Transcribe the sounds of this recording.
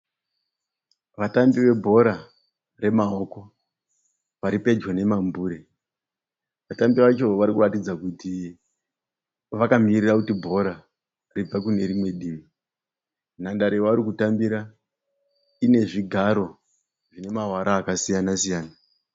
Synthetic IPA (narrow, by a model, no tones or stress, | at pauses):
ʋatambiʋe̞bʱo̞ɾa | re̞mao̞ko̞ | ʋaɾipe̞d͡ʒwane̞mambuɾe | ʋatambiʋat͡ʃo̞ʋaɾikuratid͡zakuti | ʋakamirirakutibʱo̞ɾa | rib͡vakune̞ɾimwe̞ɗiːmi | nandaɾeʋaɾikutambiɾa | ine̞ʐiɡʱaɾo̞ | ʐine̞mawaɾʔaːkasijanasijaːna